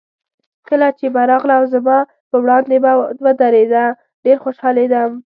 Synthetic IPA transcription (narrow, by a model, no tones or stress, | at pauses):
kəlat͡ʃebaɾɑɣlawzamɑ | pəwɽɑnd̪ebawəd̪aɾed̪a | ɖeɾxoʃɑled̪am